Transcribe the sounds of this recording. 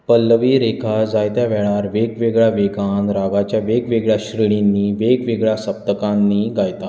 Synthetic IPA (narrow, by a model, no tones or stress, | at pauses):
pəlːəʋiːɾekʰad͡zajt̪jaʋɛɭaɾʋeɡʋeɡɭjaʋeɡãnɾaɡat͡ɕjaʋeɡʋeɡɭjaɕɾəɭinːiːʋeɡʋeɡɭjasəp̚t̪əkãnːiːɡajt̪a